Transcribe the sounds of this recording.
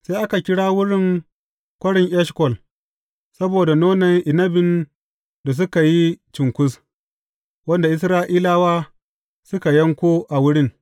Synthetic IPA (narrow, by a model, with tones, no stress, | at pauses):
se˦ʔa˦ka˨kʲɪ˦ɽaː˦wʊ˦ɽɪ˦ŋ | kʷɐ˦ɽɪ˨ŋʔɛ˦ʃkɔ˨l | sɐ˦boː˨da˨noː˦nɐ˨ŋʔɪ˨nɐ˦bɪ˨n | da˨s̬ʊ˦ka˨ji˦t͡ʃɪ˨ŋkʷʊ˦s | wɐ˦nda˨ʔɪ˦s̬ɾaː˦ʔiː˦laː˦waː˦ | sʊ˦ka˨jɐ˦ŋkʷoː˦ʔa˨wʊ˦ɽɪ˦ŋ